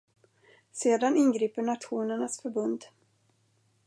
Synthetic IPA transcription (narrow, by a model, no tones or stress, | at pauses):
seːd̪anɪnɡɾiːpəɳat̪ɧuːnəɳasfœɾbɵnd̪